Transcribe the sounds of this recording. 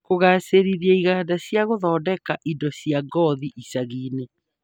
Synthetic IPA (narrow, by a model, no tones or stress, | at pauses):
koɣaːseɾiɾiɛiɣaːdasjaɣoðɔːdɛkaʔidɔsiaɡɔðiʔisaɣiːne